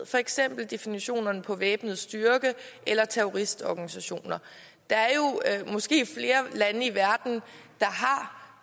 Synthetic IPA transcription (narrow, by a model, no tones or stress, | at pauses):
fɒ̽eɡ̥sem̰b̥l̩d̥e̝finiɕo̝̰ːnɐnəpʰɒ̽ʋeːb̥n̩ð̩ˠsd̥yɐɡ̥əʔelɐt͡sʰeɔʁisd̥ɒɡ̥ænisæɕo̝̰ːnɐ | d̥ɑ̈æɐjo̝mɒ̽sɡ̥e̝̰ːfle̝ːɐlænəiʋæɐd̥n̩d̥ɑ̈ɦɑ̈